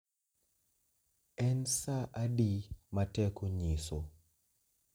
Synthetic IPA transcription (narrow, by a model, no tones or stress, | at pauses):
ɛnsaʔadimatɛkoɲiso